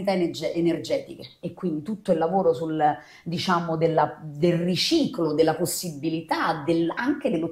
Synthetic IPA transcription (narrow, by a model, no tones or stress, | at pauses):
it̪aenerd͡ʒɛːt̪ik̟eekːwind̪it̪ut̪ːoilːavoːɾosul | d̪it͡ʃaːmod̪elːad̪elrit͡ʃiːklod̪elːaposːibːilit̪ad̪elaŋk̟ed̪elːo